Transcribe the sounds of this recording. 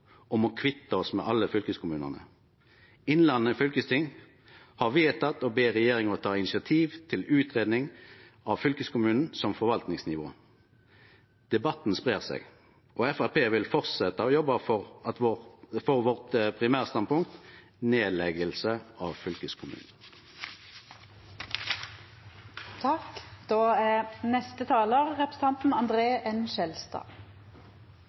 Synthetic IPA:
ɔmɔkʰʋɪt̪ːəɔsmɛ̰ʔɑlːəfʏlkəskʰʊmʉːnə̰ʁnə̰ | ɪnlɑnːəfʏlkəst̪ʰɪŋ | hɑʁʋɪɛt̪ʰɑt̪ɔbeːʁɛjeːʁɪŋɔt̪ʰɑːɪnɪsɪɑt̪ʰiːʋt̪ʰɪlʉːt̪ʁeːd̪nɪŋ | ɑʋfʏlkəskʰʊmʉːnn̩sɔmfɔɾʋɑlt̪nɪŋsnɪʋo̰ː | d̪̥ɛbɑt̪ːn̩spʁeːʁsɛ̰ɡ | ʔɔɛfæʁpʰeːʋɪlfɔʁt̪sɛt̪ːəɔjɔbəfɔʁɑt̪ʋofɔʁʋɔʁt̪pʰʁɪmæːʁəst̪ɑn̚pʊŋk̚t̪ | neːlɛɡəlsəʔɑːʋfʏlkəskʰʊmʉ̰ːnn̩ | t̪ʰɑkd̪̥oːæːnɛst̪ət̪ʰɑːləʁːɛpʁ̥s̩t̪ʰɑnt̪n̩ɑnd̪ʁeːʔɛnʃɛlst̪ɑ̰ː

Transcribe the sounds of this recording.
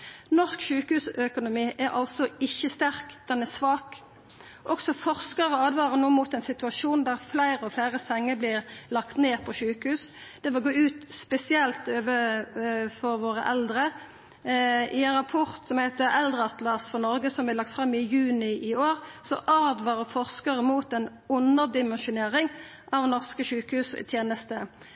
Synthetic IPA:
nɔskʃʉːkəhʉːsœkʊnʊmiːʔæʁɑlsɔɪçːəst̪æʁkd̪̥ɛnæsʋɑːk | ʔɔksɔfɔʁskɑʁɔɑːd̪ʋɑːʁənuːmuːt̪ɛɪnsɪt̪ʉɑʃuːnd̪æʁflæɪɾəɔflæɪʁəsɛŋːəblɪʁlɑkt̪neːpʰɔʃʉːkəhʉːsd̪̥ɛʋɪlɡoːʉːt̪spɛsɪɛlt̪øːʋə | fɔɾʋoːʁə̰ʔɛld̪ʁə | ɪɛnʁɑpʰɔʁt̪sɔmhæɪt̪əɛld̪ʁəɑt̪lɑsfɔnɔʁɡəsɔmblæɪlɑk̚t̪fʁɑmːɪjʉːnɪʔɪoːʁsɔʔɑːd̪ʋɑːʁəfɔʁskəʁəmuːt̪ɛn | ʊnəʁd̪ɪmɛnʃʊneːʁɪŋ | ʔɑʋnɔʁskəʃʉːkəhʉːst̪ʰjeːnəst̪ə

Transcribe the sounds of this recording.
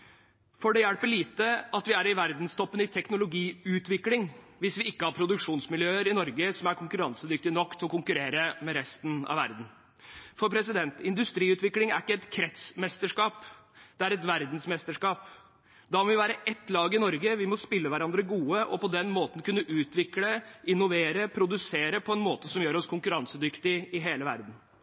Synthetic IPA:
fɔɖɛjæɽpəɭiːt̪əɑt̪ʋɪæɾɪʋæɾd̪n̩st̪ʰɔpːənəɪt̪ʰɛknʊlʊɡiːʉːt̪ʋɪklɪŋ | ʋɪsʋɪɪkːəhɑɾpʰɾʊd̪ʉkʂuːnsmɪljøːəɾɪnɔɾɡəsɔmæɾkʰʊŋkʉɾɑnsəd̪ʏk̚t̪ɪnɔkːt̪ʰɔkʊŋkʉɾeːɾəmɛɾɛst̪n̩ɑ̰ʋæ̰ɾd̪n̩ | fɔɾpʰɾɛsɪd̪ɛnt̪ɪnd̪ʉst̪ɾiːʉːt̪ʋɪklɪŋæ̰ɾɪkːəɛt̪kʰɾɛt̪smɛst̪əʂkɑːpd̪̥ɛæɾɛt̪ʋæɾd̪n̩smɛst̪əʂkɑːp | d̪ɑmɔʋɪʋæːɾəʔɛt̪ːlɑːɡɪnɔɾɡəʋɪmɔspɪlːəʋæɾɑnd̪ɾəɡuːəʔɔpɔd̪ɛnmoːt̪n̩kʰʉnːəʔʉːt̪ʋɪkləʔɪnʊʋeːɾəpʰɾʊd̪ʉseːɾəpʰɔɛnmoːt̪əsɔmjøːɾɔskʰʊŋkʉɾɑnsəd̪ʏkt̪ɪɪɦeːləʋæ̰ɾd̪n̩

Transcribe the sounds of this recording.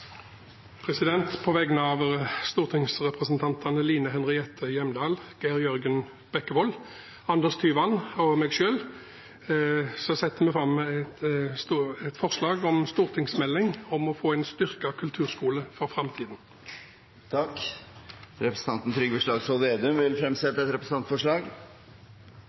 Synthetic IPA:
pʰʁɛsɪd̪ɛnt̪pʰɔʋɛɡənəɑʋst̪uːʁt̪ʰɪŋsʁɛpʁəsnt̪ʰɑnt̪ʰɑnəliːnəɦɛnʁɪɛt̪ʰːəjɛmd̪ɑːlɡ̥æʁjœʁɡən | b̥ɛkːəʋɔl | ɑnd̪ɛst̪ʰyːʋɑnɔmeːɡʃøːl | sɔsɛt̪ːəmɛfɾɑmːt̪st̪ːɛt̪fɔʁslɑːɡɔmst̪uːʁt̪ʰɪŋsmɛlːɪŋɔmɔfoːɛɪnst̪ʏʁkɑkʰʉlt̪ʰʉːʁskuːləfɔʁfʁɑmt̪ʰiːd̪n | t̪ʰɑk | ɾɛpɾəsə̥ɑnt̪n̩t̪ʰɾʏɡʋəʂlɭɑːɡsɔld̪eːd̪ʉmʋɪlfɾɛmsɛt̪ːəɛt̪ɾɛpɾəs̩n̩ɑnt̪fɔʂɭɑːɡ

